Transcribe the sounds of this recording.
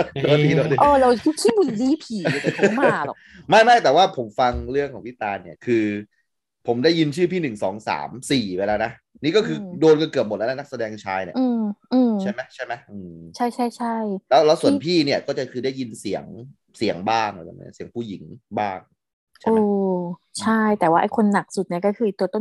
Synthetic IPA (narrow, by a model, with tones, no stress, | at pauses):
dɔ˧diː˧doː˧i˧ʔɔː˧˩ɾa˧wt̪ʰu˥˩kʰiː˥bu˧ziː˧˥pʰiː˨˦o˨˩˦ma˩˥˩k̚lɔ̰ː˨˩ma˥˩jmaː˥˩jt̪ɛː˨˩waː˥˩pʰo˩˦mfa˧ŋɾɯ˥˩əŋkʰɔː˩˦ŋpʰi˦˥˩t̪aː˧nːi˥˩ɐkʰɯː˧ | pʰo˩˦mdaː˥˩ji˧nt͡ɕʰɯː˥˩pʰiː˥˩nɯ˨˩ŋsɔː˩˦ŋsa̰ː˩˦msiː˨˩we˧laː˧˥˩na˦˥˧niː˦˥kɔː˥˩kʰɯː˧doː˧nka˧kɯ˨˩p̚m̚˨˩ln˦˥na˦˥k̚sa˧dɛː˧ŋt͡ɕʰaː˧jnḭ˧˥˩ɯː˧mʔɯː˧mt͡ɕʰa˥˩jma˦˥jt͡ɕʰa˥˩jma˦˥ʔɯː˧t͡ɕʰa˥˩jt͡ɕʰa˥˩jt͡ɕʰa˥˩jlɛː˦˥wlɛ˦˥wsu˨˩ənpʰiː˥˩ni˥˩ɐkɔː˥˩t͡ɕa˨˩kʰɯː˧da˥˩ji˧nsi˩˦əŋ | si˨˩˦əŋbaː˥˩ŋa˨˩a˨˩ma̰˦˥si˨˩˦əŋpʰuː˥˩ji˩˦ŋbaː˥˩ŋʰ | aʔoː˦˧˩t͡ɕʰa˥˩jt̪ɛː˨˩waː˥˩ʔa˧˩jkʰo˧nːa˨˩k̚su˨˩t̪̚ni˥˩ɐkɔ˥˩kʰɯː˧iː˨˩t̪u˧t̪o˥˩˨